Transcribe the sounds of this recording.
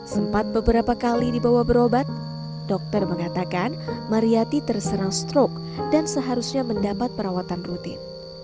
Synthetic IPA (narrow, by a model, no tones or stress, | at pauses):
səmpat̪̚bəbəɾapakalidibawahbəɾobat̪̚ | d̥ɔk̚t̪ərməŋat̪akanmaɾiat̪it̪ərsəɾaŋst̪ɾɔk̚ | dansəɦaɾusɲaməndapat̪̚pəɾawat̪anrut̪ɪ̰n